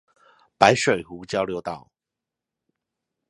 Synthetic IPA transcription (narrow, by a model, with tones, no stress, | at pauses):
pa˨˦ɪʂwe˨˩ɪhu˨˧˦t͡ɕjɑ˥˦ʊljo˧˦ʊt̪ɑ˨˩ʊ